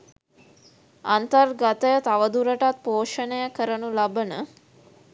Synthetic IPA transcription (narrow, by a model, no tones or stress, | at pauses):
ant̪ərɡat̪əjət̪aʋəd̪uɾəʈat̪̚poːʂənəjəkəɾənulabənə